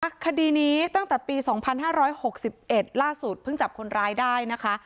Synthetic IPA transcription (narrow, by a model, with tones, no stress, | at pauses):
a˨˩kʰːa˧diː˧niː˦˥t̪a˥˩ŋt̪ɛː˨˩piː˧sɔː˩˦ŋpʰa˧nɦaː˥˩ɾɔː˦˥jho˨˩k̚si˨˩p̚ʔe˨˩t̪̚laː˥˩su˨˩t̪̚pʰɯ˥˩ŋt͡ɕa˨˩p̚kʰo˧nɾaː˧˥jdaː˥˩jna˦˥kʰa˦˥